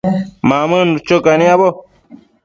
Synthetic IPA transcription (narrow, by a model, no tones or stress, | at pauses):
mamə̃nut͡ʃokanĩabo